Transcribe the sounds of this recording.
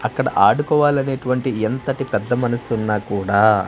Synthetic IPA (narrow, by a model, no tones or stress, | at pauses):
ɐkːɐɽɐ̰ʔaːɽukɔːʋaːlɐneːʈuʋɐɳʈient̪ɐʈipɛd̪ːɐmɐnɐsunːaːkuːɽaː